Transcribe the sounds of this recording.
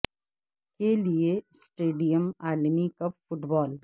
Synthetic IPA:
keliesʈeːɖijəmaːlmikɐpfʊʈbɔːl

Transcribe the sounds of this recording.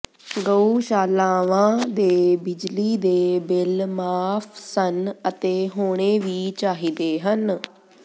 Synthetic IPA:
ɡəuːʃaːlaːʋãːd̪eːbɪd͡ʒliːd̪eːbɪlmaːpʰsənət̪eːɦoːɽ̃eːʋiːt͡ʃaːɦiːd̪eːɦən

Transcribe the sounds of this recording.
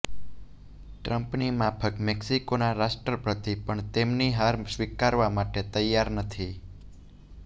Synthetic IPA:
ʈɾəmpnimapʰəkmeksikonaɾaʃʈɾəpɾət̪ipəɳt̪emniɦaɾsʋikaɾʋamaʈet̪əjːaɾnət̪ʰi

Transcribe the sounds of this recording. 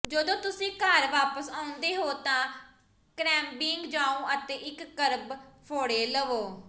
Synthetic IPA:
d͡ʒəd̪õːt̪ʊsĩːkəɾʋaːpəsaːʊ̃nd̪eːɦoːt̪ãː | kɾɛːmbiːŋɡd͡ʒaːõːʔət̪eːʔɪkːəɾbpʰoːɽeːləʋoː

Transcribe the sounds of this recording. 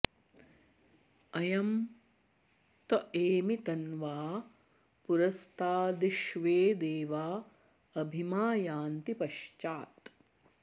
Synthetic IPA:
ɐjɐm | t̪ɐʔeːmit̪ɐnʋaː | puɾɐst̪ʰaːd̪iʃʋeːd̪eːʋaː | ɐbʱimaːjaːnt̪ipɐʃt͡ʃaːt̪

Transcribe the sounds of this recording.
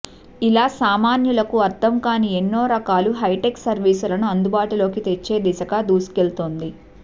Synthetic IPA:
ilaːsaːmaːnjulɐkuɐɾt̪ʰɐmkaːnienːo̞ːɾɐkaːluɦɐjʈeksɐɾʋiːsulɐnuɐnd̪ubaːʈulo̞ːkit̪e̞t͡ʃːe̞ːd̪isɐkaːd̪uːsu̥kelt̪oːnd̪i

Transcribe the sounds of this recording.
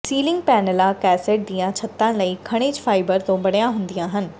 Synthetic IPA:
siːlɪ̃ŋɡ̚pɛːnəlakɛːseʈ̚d̪ijãt͡ʃʰɐt̪ːãnləikʰɐɽ̃eːd͡ʒfʰaːɪbəɾt̪õbɐɽjãɦʊ̃nd̪ijãɦənɪ̆

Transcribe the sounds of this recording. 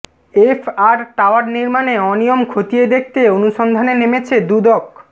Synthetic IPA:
efʰaɾʈaoaɾniɾmaneɔnijomkʰot̪ijed̪ek̚ʰt̪eonuʃond̪ʱanenemet͡ɕʰed̪ud̪ɔk

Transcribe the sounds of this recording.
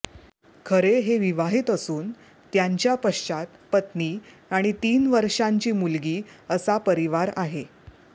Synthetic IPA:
kʰəɾeɦeʋiʋaɦit̪əsuːn | t̪jaɲt͡ɕjapəʂt͡ɕat̪pət̪ni | aɽ̃it̪iːnʋəɾʂaɲt͡ɕiːmulɡiːəsapəɾiʋaɾaɦe

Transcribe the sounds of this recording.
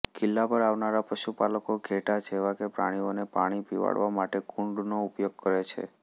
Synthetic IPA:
kɪlːapəɾaʋnaɾapəʃupaləkoɡʱeʈad͡ʒeʋakepɾa̰ɽ̃ionepa̰ɽ̃ipiʋa̰ɽʋamaʈekuɳɖnoupjoɡ̚kəɾet͡ʃʰḛ

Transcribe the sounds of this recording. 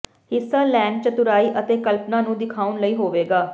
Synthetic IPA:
hɪsːaːlɛ̃ːɳɖ̚t͡ʃət̪ʊɾaːiːʔət̪eːkəlpnãːnũːd̪ɪkʰaːʊnləiːɦoːʋeːɡaː

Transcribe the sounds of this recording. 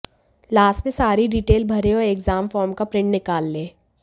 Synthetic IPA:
laːsʈmẽsaːɾiɖiːʈeːlbʱɐɾẽɔːɾeːkzaːmfɔːɾmkapɾɪ̃ɳʈnɪkaːlːeː

